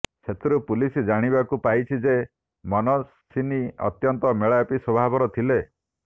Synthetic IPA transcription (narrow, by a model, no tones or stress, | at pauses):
sʰet̪ɾupulisd͡ʒaɽ̃ibakupajt͡ʃʰid͡ʒe | mɔnɔ | siniɔ̰t̪jɔnt̪ɔmeɭaapisɔbʱabʱɔɾɔt̪ʰile